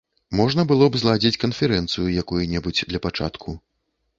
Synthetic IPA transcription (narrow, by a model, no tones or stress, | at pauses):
mɔʐnɐbɨlˠɔbzlˠad͡zʲit͡sʲkɐnfʲɛɾɛnt̪sɨjujakujunʲɛbud͡zʲd̪lʲɐpat͡ʂa̰t̪kʰu